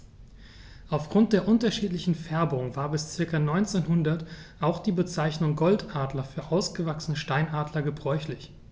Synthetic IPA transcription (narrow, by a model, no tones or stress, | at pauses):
ʔaʊfɡ̥ʁʊnt̚d̥eːɐʔʊntɐʃiːtlɪçn̩fɛɐbʊŋvaːɐbɪst͡sɪɐkɐnɔʏnt͡seːnɦʊndɐtʔaʊxd̥iːbət͡saɪçnʊŋɡɔltʔaːdlɐfyːɐʔaʊsɡ̥əvaksənəʃtaɪnʔaːdlɐɡəbʁɔʏçlɪç